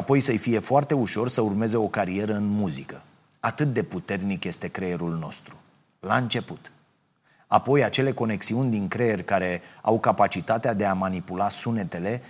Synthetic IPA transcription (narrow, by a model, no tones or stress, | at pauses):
apo̞jsəjfije̞foart̪e̞uʃo̞rsəurme̞ze̞o̞kaɾie̞ɾəɨnmuzikə | at̪ɨt̪̚d̪e̞put̪e̞rnikje̞st̪e̞kɾejeɾulno̞̰st̪ɾu | laɨnt͡ʃe̞put̪ | apo̞jat͡ʃe̞le̞ko̞ne̞ksiunʲd̪iŋkɾejerʲkaɾe̞a̰wkapat͡ʃit̪at̪ead̪e̞amanipulasune̞t̪e̞le̞